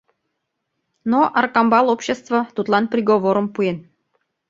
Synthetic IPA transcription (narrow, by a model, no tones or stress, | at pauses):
noʔɑrkɑmbɑlˠopɕːest̪və̆t̪ut̪lˠɑnprʲiɡovoɾəmpuen